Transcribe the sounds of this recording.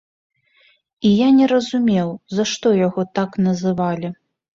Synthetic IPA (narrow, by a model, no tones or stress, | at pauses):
ijanʲɛɾɐzumʲɛwzɐʂt̪ɔjaɣɔt̪aknɐzɨvalʲi